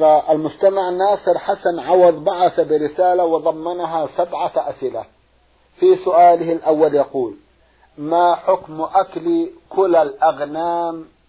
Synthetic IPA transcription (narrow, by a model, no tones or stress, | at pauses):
ɾaʔalmʊd͡ʒt̪amaʕnaːsˤɨɾħasanʕɑwɑðˤbaʕaθabɪɾɪsaːlawɪðˤɑmːɑnaɦasabʕaʔasʔɪla | fisʊʔaːlɪhalʔawːaljɑquːl | maħʊkmʔaklikʊlalʔaɣnaːm